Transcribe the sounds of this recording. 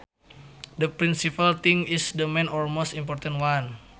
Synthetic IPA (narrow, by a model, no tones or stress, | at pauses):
dəpɾinsipalt̪iŋisdəmẽnɔlmost̪impɔrt̪ãntwan